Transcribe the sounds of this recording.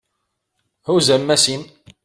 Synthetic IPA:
huzæmːæsin

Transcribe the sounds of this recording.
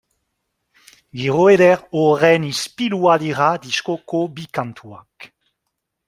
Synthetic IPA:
ɡiʁoed̪ɛʁoʁɛnispilualiʁad̪iskokobikãnt̪ʰua̰k

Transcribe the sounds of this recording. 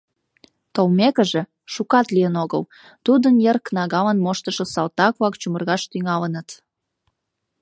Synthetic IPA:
t̪olmekəʒe | ʃukɑt̪lijənoɣə̰l | t̪ud̪ənjerknɑɣɑlənmoʃt̪əʃəsɑlt̪ɑkβɑkt͡ɕumərɣɑʃt̪yŋɑlənət̪

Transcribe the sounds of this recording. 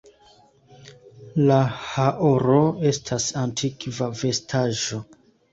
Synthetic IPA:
lahaʔoɾo̞e̞stʰasantʰikvave̞stʰaʒo̞

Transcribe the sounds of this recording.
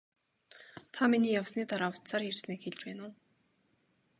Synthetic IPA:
t̪ʰaminiːjawsniːt̪aɾaːʊwʰt̪saːrjer̥sniːkxeɮt͡ɕpæːnʊː

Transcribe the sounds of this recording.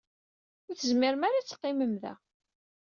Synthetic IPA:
ʊθəzmɪɾmaɾat͡sːə̥qːɪməmðæ̰

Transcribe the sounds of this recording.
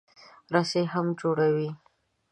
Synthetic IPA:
ɾaseɦamd͡ʒoɽawi

